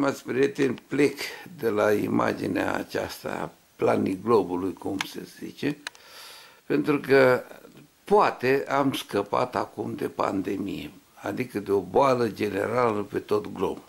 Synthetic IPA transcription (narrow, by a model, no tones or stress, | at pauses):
mat̪sʲpɾiet̪enplekd̪e̞laḭma̰d͡ʒinea̰ːt͡ʃa̰st̪a̰ | planiɡlo̞bulujkumsḛzḭt͡ʃe | pe̞nt̪ɾukə | poat̪eamskəpa̰t̪akumd̪e̞pa̰nd̪e̞mije | ad̪ikəd̪eo̞boaləd͡ʒe̞nḛɾaləpe̞t̪o̞t̪ɡlo̰bu